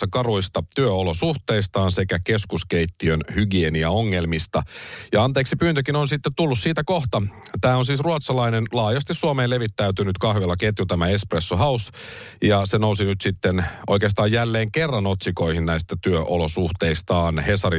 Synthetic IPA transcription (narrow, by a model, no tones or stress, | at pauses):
ɑkɑruist̪ɑt̪yøolosuht̪e̞ist̪ɑːnsekækeskuskeit̪ːiønhyɡieniɑoŋːe̞lmist̪ɑjɑɑnt̪eːksipyːnt̪økinonsit̪ːet̪t̪ulːussiːt̪ækoht̪ɑt̪æːonsiːsruɑt̪sɑlɑinenlɑːjɑst̪isːuɑmeːle̞ʋit̪ːæyt̪ynyt̪kɑhʋelːɑket̪jut̪æmæespresːuɦɑusjɑsenousinyt̪sit̪ːenʔo̰jkeːst̪ɑːjjælːeːŋkerːɑnot̪siko̞ihinnæist̪æt̪yøʔolosuht̪e̞ist̪ɑːnhe̞sɑri